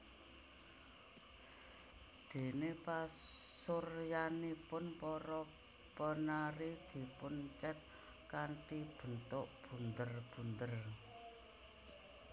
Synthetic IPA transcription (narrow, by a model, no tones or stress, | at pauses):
d̪̥e̤nepasʊrjanipʊnpɔɾɔ | pənaɾid̪̥i̤pʊnt͡ʃət̪̚ | kant̪ib̥ə̤nt̪ʊʔb̥ṳnd̪ərb̥ṳnd̪ər